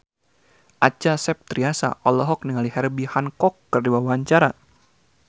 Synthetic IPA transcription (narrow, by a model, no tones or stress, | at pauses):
ʔat͡ʃasɛp̚t̪ɾiasa̰ʔɔlɔɦɔk̚niŋalihɛrbihankɔkːərdiwawaɲt͡ʃaɾa